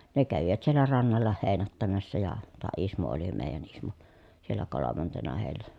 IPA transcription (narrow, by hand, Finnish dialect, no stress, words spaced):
ne kæʋiʋæt sielːæ rɑnːɑlːɑ heːnætːæmæsːæ jɑ tɑː ismo oli meˑi̯jæn ismo sielːæ kolomɑntenɑ heˑi̯lːæ